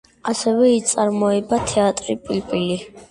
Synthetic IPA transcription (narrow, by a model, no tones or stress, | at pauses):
asɛvɛit̪sʼaɾmɔɛbat̪ʰɛat̪ʼɾipʼilpʼili